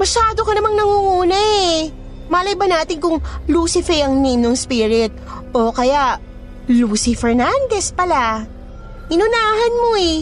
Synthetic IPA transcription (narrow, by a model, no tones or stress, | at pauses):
mɐʃaːd̪okɐnɐmaŋnɐŋuŋuːnɐɛ | maːlɐjbɐnaːt̪ɪnkʊŋluːsɪfɛjɐŋnimnoŋspiɾɪt̪̚ | ʔokɐjaʔ | luːsifɛɹnand̪ɛspɐla | ʔɪnʊnaːɦɐnmo̞ɛ